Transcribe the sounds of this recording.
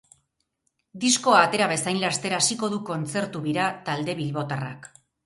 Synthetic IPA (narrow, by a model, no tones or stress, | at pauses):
d̪isko̞aːt̪e̞ɾaβe̞sajnlast̪e̞ɾaːsiko̞ð̞uko̞nt͡se̞ɾt̪uβiɾat̪ald̪e̞βilβo̞t̪ara̰k